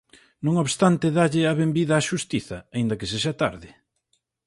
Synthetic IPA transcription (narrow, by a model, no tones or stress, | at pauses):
nõŋoβst̪ant̪ɪðaʎɪɐβembiðɐːʃust̪iθɐ̰aind̪ɐkeseʃ̬at̪a̰ɾðɪ